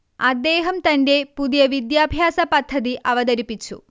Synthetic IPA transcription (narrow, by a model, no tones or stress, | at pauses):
ɐd̪ːe̞ːɦɐmt̪ɐnde̞puðijɐʋid̪jaːbʱjaːsɐpɐd̪ʱːɐðiʔɐʋɐðɐɾipːit͡ɕːṵ